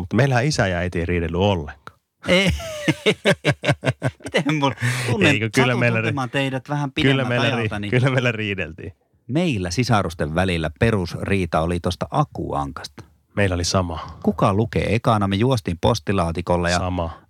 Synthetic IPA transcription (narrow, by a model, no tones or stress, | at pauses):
mut̪ːmeilæhæisæjɑæit̪ieiriːdelːyolːeŋkɑ̥ː | e | mit̪emmult̪unːeikøkylːæmeilæemːɑnt̪eidæt̪ʋæhæmpitkeyllːæːæmeiɑlːæit̪ɑnikylːæmeilːæriːdḛlt̪ḭː | meilːæsisɑrust̪eʋʋælilːæperusriːt̪ɑolit̪ost̪ɑʔɑkṵɑ̰ŋkɑ̥st̪ɑ̥ | meilːæolisɑmɑkukɑlukḛekɑnɑmejuost̪iːmpo̰st̪ilɑːt̪ikolːɑjɑɑmɑ